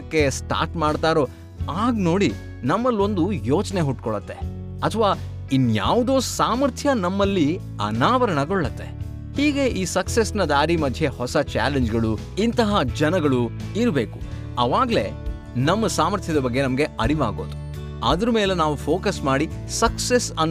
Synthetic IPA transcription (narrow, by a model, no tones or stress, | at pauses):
kːe̞sʈa̰ːɾʈmaːɽt̪aːɾo̞ː | aːɡno̞ːɽi | nɐmːɐlo̞nd̪ujoːt͡ʃne̞ɦuʈkɔɭɐt̪ːe̞ | ɐt̪ʰʋaː | inːja̰ːʋud̪oːsaːmɐɾt̪ʰjɐnɐmːɐlːi | ɐ̰naːʋɐɾɐɳɐɡɔɭːɐt̪ːe̞ | hiːɡe̞ʔiːsɐksesnɐd̪aːɾimɐd̪ʱje̞hɔsɐt͡ʃa̰ːleɲd͡ʒɡɐɭu | int̪ɐɦɐd͡ʒɐnɐɡɐɭuiɾbe̞ːku̥ | ɐʋaːɡle̞̰ | nɐmːɐsaːmɐɾt̪ʰjɐd̪ɐbɐɡːe̞nɐmɐɡe̞ɐɾiʋaːɡo̞ːd̪u | a̰ːd̪ɐɾɐmeːlenaːʋupʰoːkɐsmaːɽisɐksesɐn